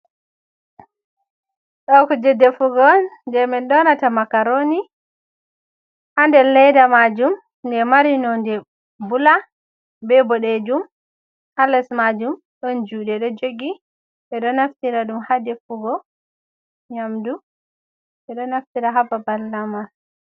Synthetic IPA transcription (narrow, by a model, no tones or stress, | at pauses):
ɗɔkɔd͡ʒɛdːɛfuɡɔndɛmɛnɗɔnatamakaɾoni | ʔandɛlɛjdamad͡ʒum | ndɛmaɾinɔndɛ | bula | bɛbɔɗɛd͡ʒum | halɛsmad͡ʒum | ɗɔnd͡ʒuɗɛɗɔd͡ʒoɡi | ɓɛɗɔnaftiɾaɗumhadɛfuɡɔ | ɲamdu | ɓɛɗɔnaftiɾaɦababalːama